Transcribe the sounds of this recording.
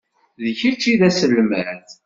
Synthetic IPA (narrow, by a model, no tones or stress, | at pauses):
ðəçit͡ʃːiðæsəlːmæɾθ